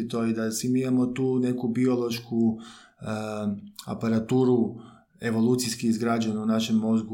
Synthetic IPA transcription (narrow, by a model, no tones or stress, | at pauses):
it̪oid̪asimiimamo̞t̪uːne̞kubio̞lˠo̞ʃku | a̰paɾat̪uːɾu | e̞ʋo̞lˠuːt̪siskiizɡɾad͡ʑanunaʃe̞mːo̞zɡu